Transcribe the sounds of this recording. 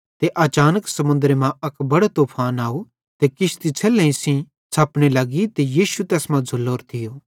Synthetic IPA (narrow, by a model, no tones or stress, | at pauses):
t̪eʔɐːt͡ʃaːnəksɐmʊ̃nd̪ɾemãɐkbɐɽot̪oːpʰaːnaːu | t̪ekɪʃt̪it͡sʰɛːlẽĩsĩ | t͡sʰɐːpɽelɐɡit̪ejiːʃut̪ɛːsmãd͡zʱʊlːoːɾt̪ʰɪjoː